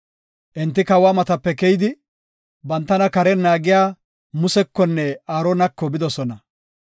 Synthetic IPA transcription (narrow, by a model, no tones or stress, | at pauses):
ʔɛnt̪ːɪkɐwaːmɐt̪ɐpːɛkɛjɪd̪ɪ | bɐnt̪ːɐnɐkɐɾɛnːaːɡɪjaː | mʊsɛkːɔnːɛaːɾɔnɐkːɔbɪd̪ɔsɔnɐ